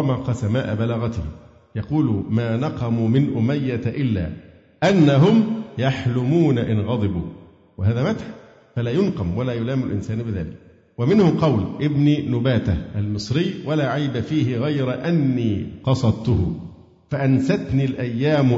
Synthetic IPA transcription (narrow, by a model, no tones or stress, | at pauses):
maːqɑsamaːʔabalaɣat̪ɪh | jɑquːlʊmaːnɑqɑmumɪnʔʊmajːat̪ʔɪlːa̰ː | ʔanːaɦʊmjaħlʊmuːnaʔɪnɣɑd̪ˤɨbuː | wɪɦaːðaːmat̪ħ | falaːjʊnqɑmwalaːjʊlaːmɪʊlʔɪnsaːnbɪða̰ːlɪk̚ | wamɪnhʊmqɑwlʔɪbninʊbaːt̪ahʔalmɨsˤɾɪjːwalaːʕajbafiːɦɪɣajɾaʔanːiːqɑsˤɑd̪̚t̪ʊhʊ | faʔansat̪niːlʔajːaːm